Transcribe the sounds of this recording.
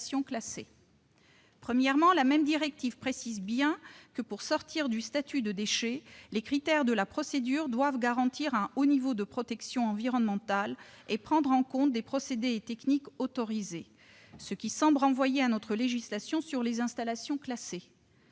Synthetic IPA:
sjɔ̃klase | pχəmjɛʁmɑ̃lamɛmd̪iʁɛk̚t̪ivpχesizbjɛ̃kəpuʁsɔʁt̪ʰiʁd̪yst̪at̪yd̪əd̪eʃelekχit̪ɛʁd̪əlapχɔsed̪yʁd̪wavɡaʁɑ̃t̪iʁɛ̃onivod̪əpχɔt̪ɛksjɔ̃ɑ̃viʁɔnmɑ̃t̪alepχɑ̃d̪ʁɑ̃kɔ̃t̪̚d̪epχɔsed̪eːt̪ɛknikot̪ɔʁize | səkʲisɑ̃bʁɑ̃vwajeanɔt̪χəleʒislasjɔ̃syʁlezɛ̃st̪alasjɔ̃klase

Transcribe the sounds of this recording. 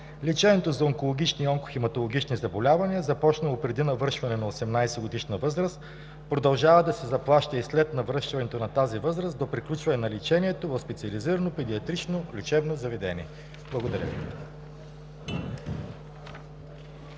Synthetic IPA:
lit͡ʃɛnɛt̪ozɐoŋkolˠoɡ̟ʲit͡ʃniɔŋko̥ximɐt̪olˠoɡ̟it͡ʃnizɐbolʲavɐniəzɐpɔt͡ʃnəlˠopɾɛd̪inɐvɤɾʃvɐnɛnɐosɛmnajsɛɡod̪iʃnəvɤzɾəst̪ | pɾod̪ɐlˠʒavɐd̪ɐsɛzɐplˠaʃt̪əislɛt̪nɐvɾəʃt̪vɐnɛt̪onɐt̪azivɤzɾəsd̪opɾiklʲut͡ʃvɐnɛnɐlit͡ʃɛnʲiɛt̪ovɐfspɛt̪siəliziɾənopɛd̪iɐt̪ɾit͡ʃnolʲit͡ʃɛbnozɐvɛd̪ɛnʲiɛ | b̥lˠɐɡod̪ɐɾʲə̰vḭ

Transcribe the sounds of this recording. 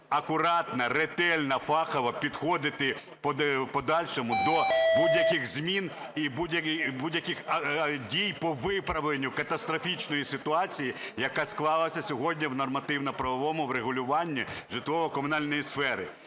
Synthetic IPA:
ɐkʊɾɑt̪nɐret̪ɛlʲnɐfɑxɐʋɐpʲid̪xɔd̪ɪt̪ɪ | pɔpɔd̪ɑlʲʃɔmʊd̪ɔbudʲjɐkɪxzʲmʲin | ibudʲjɐbudʲjɐkɪxɐdʲijpɔʋɪpɾɐʋlˠenʲːʊkɐt̪ɐst̪ɾɔfʲit͡ʃnɔjisɪt̪ʊɑt͡sʲijijɐkasklˠɑlˠɐsʲɐsʲɔɦɔdʲnʲiwnɔrmɐt̪ɪwnɐpɾɐʋɔʋɔmʊwɾeɦʊlʲʊʋɑnʲːiʒɪt̪ʋɔʋɔkɔmʊnɑlʲnɔjisfɛɾɪ̰

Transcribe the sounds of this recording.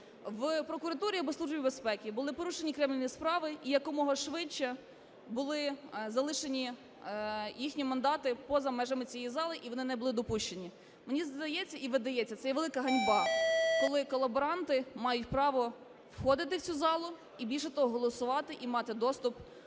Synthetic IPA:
ʋpɾɔkʊɾɐt̪uɾʲiɐbɔslˠuʒbʲibespɛkʲibʊlˠɪpɔɾuʃenʲikɾɛmlʲenjispɾɑʋɪʔijɐkɔmɔɦɔʃʋɪt͡ʃːɛ | bʊlˠɪzɐlˠɪʃenʲi | jixnʲimɐnd̪ɑt̪ɪpɔzɐmɛʒɐmɪt͡sʲijɛjizɑlˠɪʔiʋɔnɪnɛbʊlˠɪd̪ɔpuʃt͡ʃenʲi | menʲizd̪ɐjɛt͡sʲːɐiʋɪd̪ɐjɛt͡sʲːɐt̪sɛjɛʋelˠɪkɐɦɐnʲbɑkɔlˠɪkɔlˠɐbɔɾɑnt̪ɪmɑjʊt̚ʲpɾɑʋɔ | wxɔd̪ɪt̪̬ɪwt͡sʲuzɑlˠʊ | ibʲilʲʃɛt̪ɔɦɔɦɔlˠɔsʊʋɑt̪ɪʔimɑt̪ɪd̪ɔst̪ʊp

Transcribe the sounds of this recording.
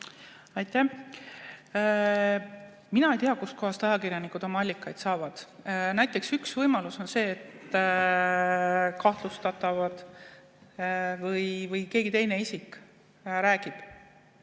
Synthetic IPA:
ɑjt̪ːˑæ | minɑejt̪iɑkust̪ko̞ɦɑst̪ɑjɑkirjɑnikud̪̥o̞mɑɑlʲːikːˑɑjd̪̥sɑːvɑd̪̥næjt̪ːˑe̞ksyksvɤjmɑluso̞nse̞ːt̪ːˑ | kɑht̪lust̪ɑt̪ˑɑvɑd̪̥ | vɤjvɤjke̞ːɡit̪e̞jne̞isik | ɾæːɡ̥ib̥

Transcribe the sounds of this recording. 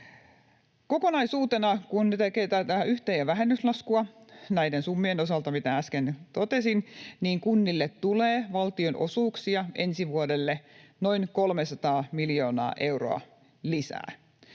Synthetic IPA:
ko̞ko̞nɑjsuːt̪enɑkunt̪ekeːt̪æt̪æyht̪ejæʋæɦenːyslɑskuɑnæjdensumːieno̞s̬ɑlt̪ɑmit̪ææskent̪ot̪esinniːŋkunːilːet̪t̪uleːʋɑlt̪io̞nʔo̞̰suːksiɑʔḛnsiʋuodelːeno̞inkolmesɑt̪ɑːmiljo̞ːnɑ̰ːʔe̞uro̰ɑ̰ | lisæ̰ː

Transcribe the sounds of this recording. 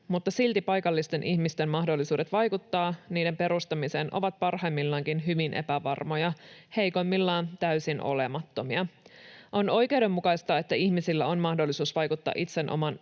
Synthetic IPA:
mut̪ːɑsilt̪ipɑjkɑlːist̪e̞nʔiçmist̪emmɑhdolːisuːde̞t̪ʋɑjkut̪ːɑːniːde̞mpe̞ɾust̪ɑmise̞ːnʔo̰ʋɑt̪̚pɑrhɑjmːilːɑŋkinɦyʋinʔe̞̰pæʋɑ̰rmo̞jɑhejkomːilːɑːnt̪æysinʔo̞̰lemɑt̪ːo̞miɑʔo̞no̞jke̞uwde̞mːukɑjst̪ɑe̞t̪ːæiçmisilːæ̰onmɑhdolːisuːsʋɑjkut̪ːɑ̰ːʔit̪se̞nʔo̞̰mɑn

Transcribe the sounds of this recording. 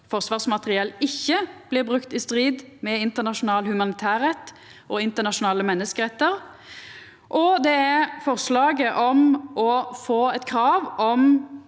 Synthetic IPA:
fɔʁsʋɑːʁsmɑt̪əʁɪɛlɪçːəb̥lɪːʁbʁʉkt̪ɪst̪ʁiːd̪mɛɪnt̪ənɑʂʊnɑːlhʉmɑnɪt̪ʰæːʁɛt̪ː | ʔɔɪnt̪ənɑʂʊnɑːləmɛnːəskəʁɛt̪ːəʁ | ʔɔd̪ɛɛɾfɔʁslɑːɡəʔɔmʔɔfoːɛt̪kʰɾɑːʋɔm

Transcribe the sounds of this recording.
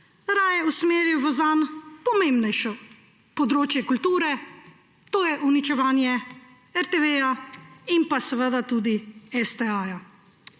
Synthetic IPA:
ɾaːjɛusmeːɾjuʋɔzaːnpɔmeːmbnɛjʃɔ | pɔd̪ɾoːt͡ʃjɛkult̪uːɾɛ | t̪oːjɛʔunit͡ʃɛʋaːnjɛ | ɛɾt̪eʋeːjaimpasɛʋəd̪at̪uːd̪iɛst̪ɛaːja

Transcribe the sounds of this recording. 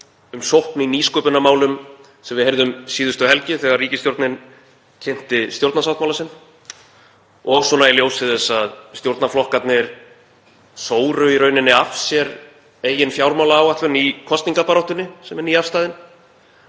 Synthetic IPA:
ʏmsowhpnɪiniːskœːpʏnamaːwlʏm | sɛmvɪðhejɾðʏmsiːðʏst̪ʏɦɛlcɪθɛɣaɾrriːcɪst̪jowɾt̪nɪn | cʰɛn̥t̪ɪst̪jowɾt̪nasawht̪mawlasɪnː | ɔɣsɔnaɛɾljowsɪθɛsːaðst̪jowɾt̪naflɔhkat̪nɪɾ | soːwɾʏiɾœːɥnɪnːɪafsjɛɾ | eːjɪnfjawɾmawlaːwat̪vʏnikʰɔst̪niŋkapaɾɔwht̪ʏnɪsɛmɛɾniːafst̪aːðɪn

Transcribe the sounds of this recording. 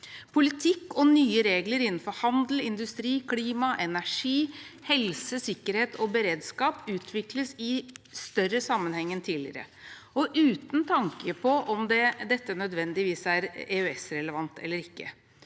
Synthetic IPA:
pʰʊlɪt̪ʰɪkːɔnyːəɾeːɡləɾɪnːn̩fɔɾhɑnd̪l̩ɪnd̪ʉst̪ɾiːkʰliːmɑʔɛnæʂiːhɛlsəsɪkːəɾheːt̪ʰɔbəɾeːd̪skɑːpʉːt̪ʰʋɪkləsɪst̪œɾːəsɑmːənhɛŋːənt̪ʰiːlɪ̰ɾə̰ | ɔʔʉːt̪nt̪ʰɑŋkəpʰɔʔɔmd̪ɛd̪ɛt̪ːənœd̪ʋɛnd̪ɪʋiːsæɾeːøɛsɾɛləʋɑnt̪ʰɛ̰lːəɾɪkːə̰

